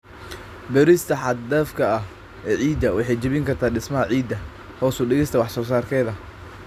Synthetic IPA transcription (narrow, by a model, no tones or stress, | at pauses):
bɛɾɪst̪ʰɐħɑd̪d̪ɐːfkʰɐɐh | ɛːʕiːd̪ɐwɑħɑjt͡ʃɪβɪŋkʰɐrt̪ʰaːɖɪsmɐɦɐʕiːd̪ːɐ | hɔːsʊɖɪɣɛst̪ʰɐwɑħsɔːsaːrkʰɛːðɐ